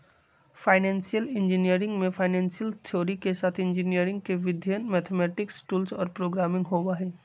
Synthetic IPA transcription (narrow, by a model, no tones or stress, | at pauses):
faːɪnɛ̃ːnsijəlɪ̃nd͡ʒɪnijəɾɪ̃ŋɡmẽfʰaːnɛ̃ːnsijəlt̪ʰjoːɾikesaːt̪ʰɪ̃nd͡ʒɪnijəɾɪ̃ŋɡ̚keʋɪd̪ʱjənmɛːt̪ʰemɛːʈɪksʈuːlsɔːɾpɾoːɡɾaːmɪ̃ŋɡɦoːwaɦɛː